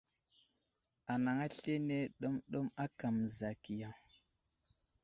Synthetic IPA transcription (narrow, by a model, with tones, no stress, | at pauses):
a˨na˨ŋa˦ɬe˦ne˦ɗo˦mɗo˦ma˦ka˨mza˨ki˨ja˨ŋ